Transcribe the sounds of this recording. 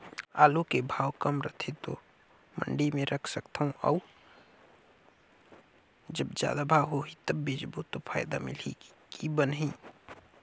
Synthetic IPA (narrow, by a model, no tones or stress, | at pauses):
aːlokebʱaːwkəmɾət̪ʰet̪o̰ | mə̰ɳɖimẽɾʔəkʰsəkt̪ʰaũʔə̰u | d͡ʒəbd͡ʒja̰ːd̪abʱaːwɦoɦit̪əbːeːd͡ʒbot̪opʰaːjd̪amɪ̰likibənɦĩ